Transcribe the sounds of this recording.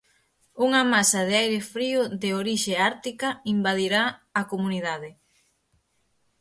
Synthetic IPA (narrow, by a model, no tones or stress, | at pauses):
uŋɐmasɐðɪajɾɪfɾiʊðeoɾiʃeaɾt̪ikɐimbaðiɾaːkomuniðaðɪ